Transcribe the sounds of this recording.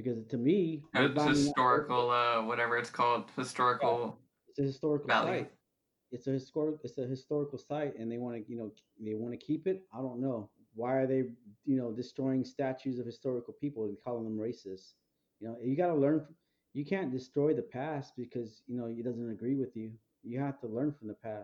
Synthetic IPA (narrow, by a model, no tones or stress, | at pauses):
b̥ɨkʌztʰɨmiəbãɪ̃tɔɹɨkl̩ˠʌwʌɾɛvə˞ɨtskʰɔlˠd̥̚hɨstɔɹɨkl̩ˠ | ɨtsɨhɨstɔɹɨkl̩ˠsaɪt | ɨtsɨhɨstɔɹɨkɨtsɨɦɨstɔɹəkl̩ˠsaɪt̚ɨ̃nðeɪwɑ̃nɨjɨnoʊ | ðeɪwɑ̃nɨkʰipɨt̚aɪdõʊ̃nːoʊ | waɪə˞ðeɪjɨnoʊdɨstɹ̥ɔɪɪ̃ŋstæt͡ʃʉzʌv̥hɨstɔɹɨkl̩ˠpʰipl̩ˠkʰɔlˠɪ̃ŋðə̃mɹeɪsɨst | jɨnoʊɪfjɨɡɑɾəlɜ̃˞nf | jɨkʰæ̃nd̥ɨstɹ̥ɔɪðɨpʰæst̚b̥ɨkʰʌzjɨnoʊɨt̚d̥ʌzɨ̃ntɨɡɹiwɨðjʉ | jɨhæftʰəlɜ̃˞nfɹʌ̃m̩ðəpʰæs